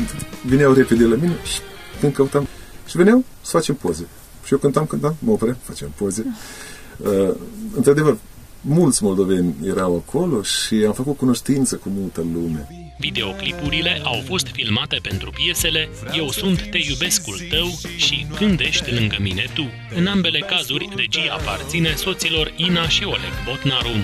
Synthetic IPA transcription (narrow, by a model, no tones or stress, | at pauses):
vinʲawreped̪elamine̞ʃi̥ | k̪ɨnkəut̪amʃiveneaw | sə̥fat͡ʃe̞mpoze | ʃiokɨnt̪amkɨnt̪amməopɾʲamfat͡ʃempoze | əɨ̰nt̪ɾad̪e̞vər | mult̪sʲmo̞ld̪o̞ve̞nʲjeɾawakʰo̞lo̞ʃiamfəkut̪̚kunoʃt̪int̪səkumult̪əlume | vid̪e̞o̞klipuɾile̞ʔawfo̞st̪filmat̪e̞pe̞nt̪ɾupje̞se̞le̞je̞wsunt̪ːe̞jube̞skult̪əwʃikɨnd̪e̞ʃt̪ʲlɨŋɡəmine̞t̪u | ɨnambe̞le̞kazurʲre̞d͡ʒijːpart̪sine̞so̞t̪silo̞rinaʃio̞lḛɡbot̪naɾun